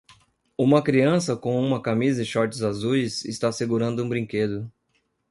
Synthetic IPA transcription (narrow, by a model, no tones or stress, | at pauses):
ũmɐkɾiɐ̃sɐkõũmɐkamizɐɪʃɔɾt̪ɪzazujsɪst̪aseɡuɾɐ̃nd̪ʊũbɾĩŋked̪ʊ